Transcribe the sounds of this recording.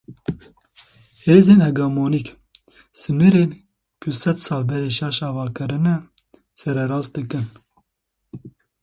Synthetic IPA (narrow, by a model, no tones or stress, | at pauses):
heːzeːnhɛɡamoːnik | sɨnɨɾeːn | kʰʊsɛd̪sɑːlbɛɾeːʃɑʃɑːvɑːkɨɾɨnɛ | sɛɾɛɾɑːzd̪ɨkɨn